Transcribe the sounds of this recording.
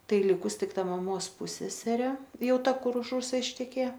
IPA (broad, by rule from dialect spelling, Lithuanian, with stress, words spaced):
ˈtɐɪ ˈlʲɪkʊs ˈtʲɪk ˈtɐ mɐˈmoːs ˈpʊsʲɛsʲɛrʲeː ˈjɛʊ ˈtɐ kʊr ʊʃ ˈrʊsɐ ɪʃʲtʲɛˈkʲeːjɛ